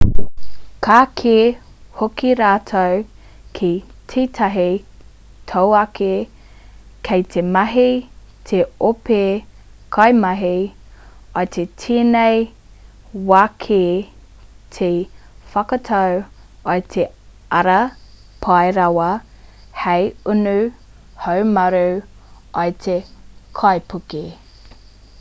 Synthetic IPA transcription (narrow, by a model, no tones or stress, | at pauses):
kʰaːkʰe | hokiɾaːtʰow | kʰitʰiːtʰɐɦi | tʰowɐkʰe | kʰejt̪ʰemɐɦi | tʰeope | kʰɐjmɐɦi | ɐt̪ʰetʰiːnej | waːkʰe | t̪ʰe | fɐkɐtʰɐw | ajt̪ʰe | ɐɾɐ | pʰɑjɾɐwɐ | hejunʉ | howmɐɾu | ʔɐjt̪ʰekʰajpʰuke